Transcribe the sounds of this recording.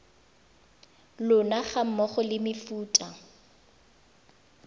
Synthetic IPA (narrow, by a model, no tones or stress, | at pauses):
lʊnaχam̩mɔχʊlɪmɪfuːtʼa